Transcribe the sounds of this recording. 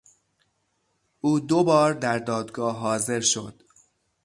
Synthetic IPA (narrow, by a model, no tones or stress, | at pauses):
ʔuːd̪obɒːɾd̪æɾd̪ɒːd̪ɡɒːɦɒːze̞ɾʃo̞d̪̥